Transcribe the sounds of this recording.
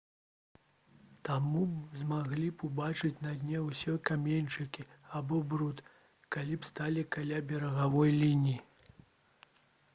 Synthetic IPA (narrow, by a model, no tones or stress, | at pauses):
t̪amuzmaɣlʲipubat͡ʂɨt͡sʲnɐd̪ʲnʲɛwsʲɛkamʲenʲt͡ʂɨkʲiabɔbɾut̪ | kalʲipst̪alʲikalʲabʲɛɾɐɣavɔjlʲinʲiji